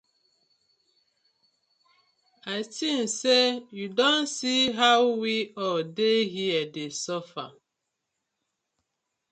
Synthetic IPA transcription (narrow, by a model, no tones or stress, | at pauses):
atin̩sejudonsiɦawwiɔdeɦiɛdesɔfa̰